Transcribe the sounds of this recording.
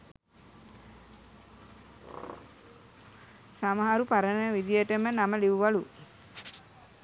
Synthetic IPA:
saməɦaɾupaɾənəʋid̪ijəʈəmənaməliʋuʋalu

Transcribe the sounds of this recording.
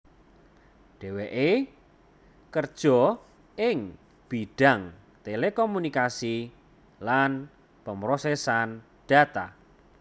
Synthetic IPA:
ɖ̥ɛ̤weʔe | kərd̥ʒ̥ɔ̤ | ɪŋ | b̥iɖ̥a̤ŋ | t̪elekomunikasi | lan | pəmɾosɛsan | ɖ̥a̤t̪a

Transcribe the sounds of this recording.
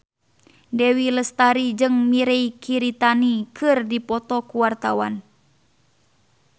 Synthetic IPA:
dɛwiləst̪aɾid͡ʒɨŋmiɾeikʰiɾit̪anikʰɨrdipɔt̪ɔkuwart̪awan

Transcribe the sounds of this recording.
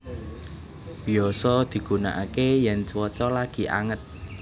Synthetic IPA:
b̥i̤ɔsɔd̪̥i̤ɡ̥ṳna̰ʔakejɛnt͡ʃwɔt͡ʃɔlaɡ̥i̤ʔa̰ŋət̪̚

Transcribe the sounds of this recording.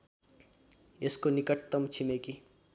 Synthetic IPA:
eskonikʌʈt̪ːʌmt͡ʃʰimeki

